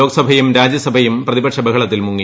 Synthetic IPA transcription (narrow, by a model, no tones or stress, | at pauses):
o̞ːɡɐsɐbʱɐjumɾaːd͡ʑjɐsɐbʱɐjumprɐðibɐʈʂɐbɐkʰɐɭɐt̪ːilmuŋːi